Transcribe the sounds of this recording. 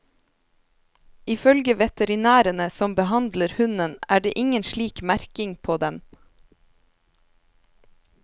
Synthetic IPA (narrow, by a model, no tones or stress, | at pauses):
ɪfœlɡəʋɛt̪əɾɪnæːɾənəsɔmbəhɑnd̪ləɾhʉnənæːɖeːʔɪŋənʃɭiːkmæɾkɪŋpʰoːd̪ɛm